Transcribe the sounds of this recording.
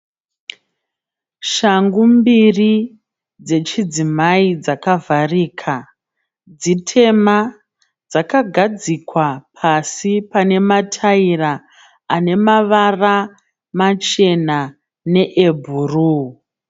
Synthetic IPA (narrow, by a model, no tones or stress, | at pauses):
ʃaŋɡumbiri | d͡ze̞t͡ʃid͡zimaid͡zakavariːkʰa | d͡zitʰe̞ma | d͡zakaɡʱad͡zikwapʰasipane̞matʰaira | ane̞maʋara | mat͡ʃe̞na | ne̞ʔebʱuru